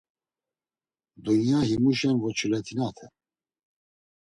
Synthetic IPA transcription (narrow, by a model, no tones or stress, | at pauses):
d̪unjahimuʃɛnvɔt͡ʃʰulɛt̪ʰinat̪ʰɛ